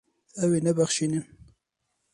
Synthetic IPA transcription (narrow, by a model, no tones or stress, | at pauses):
awinabaxʃinim